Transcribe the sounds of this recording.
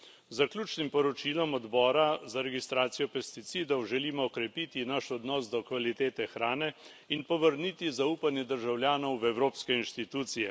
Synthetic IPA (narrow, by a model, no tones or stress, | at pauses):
zakljuːt͡ʃnimpɔɾɔt͡ʃiːlɔmɔd̪bɔːɾazaɾɛɡist̪ɾaːt̪sijɔpɛst̪it̪sid̪ɔwʒɛliːmɔːkɾɛpiːt̪inaʃɔd̪nɔːsd̪ɔkʋalit̪eːt̪ɛxɾaːnɛ | inpɔʋəɾniːt̪izauːpanjɛd̪əɾʒawljaːnɔwɛwɾoːpskɛinʃt̪it̪uːt̪sijɛ